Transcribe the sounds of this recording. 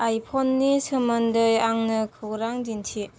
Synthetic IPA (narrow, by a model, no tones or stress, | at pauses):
ajpʰɔnːisɯmɐndɯjaŋnɯkʰɯwɾaŋdintʰi